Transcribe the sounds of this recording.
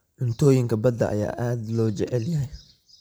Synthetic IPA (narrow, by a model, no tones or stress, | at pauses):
ʔʊnt̪ʰɔːjɪŋkɐbɐd̪ɐ̰ʔɐ̰ja̰ːʔaːd̪lɔːt͡ʃɛʔɛljaɦɐj